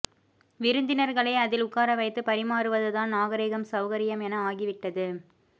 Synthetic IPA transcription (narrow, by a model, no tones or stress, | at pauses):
ʋɪɾɯnd̪ɪnɐɾɣɐɭɐːɐðɪlʊkːaːɾɐʋɐɪt̪ːɯpɐɾɪmaːɾɯʋɐðɯðaːnnaːɣɐɾeːɣɐmsɐʊɣɐɾɪjɐmɛnɐaːɣɪʋɪʈːɐðɯ